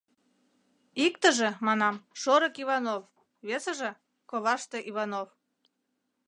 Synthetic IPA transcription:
ikt̪əʒĕmɑnɑmʃoɾəkiβɑnof | βesəʒĕ | koβɑʃt̪ĕʔiβɑnof

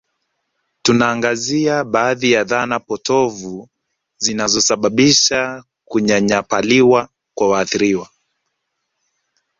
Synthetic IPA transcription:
tunaːŋɡaziaɓaːðijaðanapɔtɔvu | zinazɔsaɓaɓiʃa | kuɲaɲapaliwa | kwawaːθiɾiwa

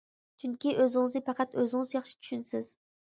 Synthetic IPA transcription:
t͡ʃʰyŋkʲɪʔøzɪŋzd̪ɪfɑqʰɑt̪øzɪŋzjɑχʃɪ̥t̪ʰʊ̥ʃynsɪz̥

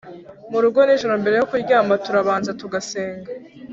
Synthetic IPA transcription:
muɾuɡo̞niʒoɾombe̞ɾe̞jokuiɾɟaːmbatuɾaβaːnzatuɡaseːŋɡa

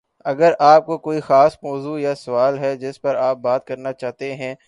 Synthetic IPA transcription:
ɐɡəɾʔaːp̚kokoːixaːsmɔːzujasɐʋaːlɦɛd͡ʒɪspɐɾaːp̚baːt̪kɐɾnat͡ʃaːɦt̪eɦɛ̃ː

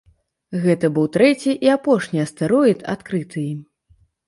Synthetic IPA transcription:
ɣɛt̪ɐbɨwt̪ɾɛt͡sʲiʔiapɔʂnʲiɐst̪aɾɔjit̪a̰t̪kɾɨt̪ʰɨim

